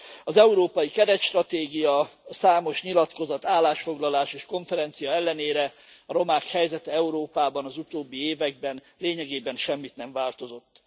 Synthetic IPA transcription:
ɒzɛuɾoːpɒjikɛdɛt̪ʃt̪rɒt̪eːɡijɒsaːmo̞ʃɲilɒt̪ko̞zɒt̪aːlːaːʃfo̞ɡlɒlaːʃeːʃko̞ɱfɛɾɛnt̪sijɒɛlːɛneːɾɛ | ɒɾo̞maːkhɛjzɛt̪ɛɛuɾoːpaːbɒnɒzut̪oːbːieːvɛɡ̚bɛn | leːɲɛɡeːbɛnʃɛmːit̪nɛɱvaːlt̪o̞zo̞t̪ː

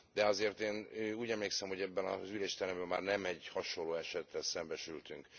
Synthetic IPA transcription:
d̪ɛɒzeːrt̪eːnøuːɟɛmleːksɛmho̞ɟɛbːɛnɒ̰zyleːʃt̪ɛɾɛmbɛmːaːrnɛmɛɟhɒʃoloːɛʃɛt̪ːɛlsɛmbɛʃylt̪yŋk

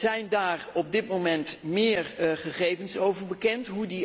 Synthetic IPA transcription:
z̥ɛjndaːrɔb̚dɪtmowmɛntmɪːɹχəχejvənsowvəɹbəkɛntɦudi

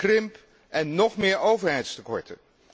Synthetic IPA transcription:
krɪmp | ʔɛnːɔχmɪːɹowvəɹɦɛjtstəkɔ̰ɹtə̰

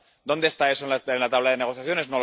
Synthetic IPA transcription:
d̪o̞nd̪est̪ae̞soenlaenlat̪aβlaðeneɣo̞θjaθjo̞ne̞zno

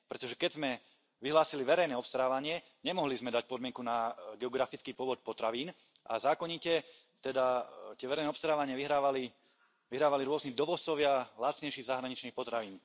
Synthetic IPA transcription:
pɾɛt̪ɔʒɛkɛɟzmɛ | ʋiɦlaːsiliʋɛɾɛjnɛɔpst̪ɾaːʋaɲɪɛ | ɲɛmɔɦlizmɛd̪ac̚pɔd̪mɪɛŋkunaɡɛɔɡɾafit͡skiːpʊɔʋɔt̪̚pɔt̪ɾaʋiːn | ʔa̰zaːkɔɲicɛ | t̪ɛd̪at̪ɪɛʋɛɾɛjnɛɔpst̪ɾaːʋaɲɪaʋiɦɾaːʋali | ʋiɦɾaːʋaliɾʊɔznid̪ɔʋɔtt͡sɔʋɪalat̪t͡sɲɛjʃiːɣzaɦɾaɲit͡ʃniːxpɔt̪ɾaʋiːn

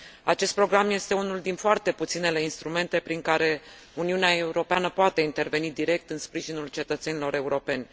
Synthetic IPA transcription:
a̰t͡ʃe̞st̪̚pɾo̞ɡɾamje̞st̪e̞unuld̪infoart̪e̞put̪sinele̞inst̪ɾume̞nt̪e̞pɾiŋkaɾe̞ | uniuneae̞uɾo̞peanəpoat̪e̞int̪e̞rve̞nid̪iɾe̞k̚t̪ɨnspɾiʒinult͡ʃe̞t̪ət̪se̞nilo̞ɾe̞uɾo̞pe̞nʲ

